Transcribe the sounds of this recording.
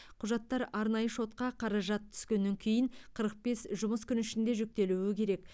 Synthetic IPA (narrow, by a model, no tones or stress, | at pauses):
qʰʊʒɑt̪ːɑɾɑɾnɑjəʃo̞t̪̚qɑqʰɑɾɑʒɑt̪ʰːʏ̥skʲe̞nːe̞ŋkʲʰejɪŋɴqʰəɾəq̚be̞sʒʊməskʲʏnɪʃɪnd̪e̞ʒʏk̚t̪e̞luwɪkʲʰe̞ɾe̞k̚